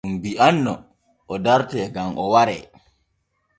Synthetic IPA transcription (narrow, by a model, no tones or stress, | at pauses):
mbiʔanːɔ | ʔɔdaɾtɛːɡamʔɔwaɾɛ̰